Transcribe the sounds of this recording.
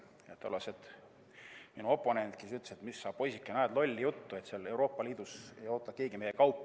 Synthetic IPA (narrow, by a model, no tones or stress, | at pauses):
jɑt̪ːolɑset̪ | minuo̞pːˑo̞ne̞nt̪̚kesyt̪le̥set̪misːɑːb̥po̞jsikˑːenɑːd̪lo̞lʲːijut̪ːue̞t̪seɑle̞wɾo̞ːpːˑɑliːd̪̥use̞jo̞ːt̪ːˑɑke̞ːɡimejːekɑwpːˑ